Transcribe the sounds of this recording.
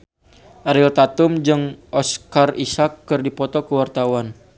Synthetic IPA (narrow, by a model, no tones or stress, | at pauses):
ʔaɾɪlt̪at̪ʊmd͡ʒɨŋʔɔskarisakːɨrdipɔt̪ɔkəwart̪awan